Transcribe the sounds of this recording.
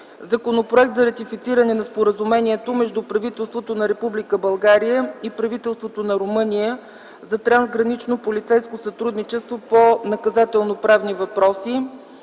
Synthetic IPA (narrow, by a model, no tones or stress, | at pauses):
zɐkonopɾoɛk̚t̪zɐɾɐt̪ifit̪siɾənɛnɐspoɾəzumɛniɛt̪omɛʒd̪upɾɐvit̪ɛlˠst̪vot̪onɐɾɛpublikəbɐlˠɡaɾijəipɾɐvit̪ɛlˠst̪vot̪onɐɾomɤnijə | zɐt̪ɾanzɡɾɐnit͡ʃnopolit̪sɛjskosət̪ɾud̪nit͡ʃɛst̪voponɐkɐzat̪ɛlˠnopɾavnivɐpɾɔsi